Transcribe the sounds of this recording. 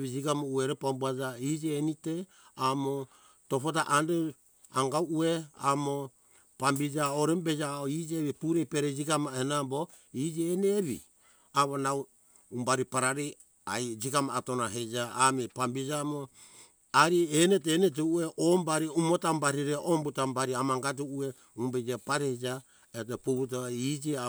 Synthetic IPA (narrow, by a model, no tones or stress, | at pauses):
βid͡ʒiɡamoueɾepambuad͡ʒaid͡ʒienite | amo | to̞potaʔande | aŋɡawʔuea̰mo | pambid͡ʒaoɾembed͡ʒaoid͡ʒeβipuɾepeɾed͡ʒikamaenambo | id͡ʒieneβḭ | aβonaw | umbaɾipaɾaɾi | ajd͡ʒikamaːtonaɦed͡ʒaːmepambid͡ʒamo | aɾienet̬enet̬eueʔombaɾiumotambaɾiɾeʔombutambaɾiamaŋɡad͡ʒuue | umbed͡ʒepaɾed͡ʒa | et̬opuβut̬oid͡ʒie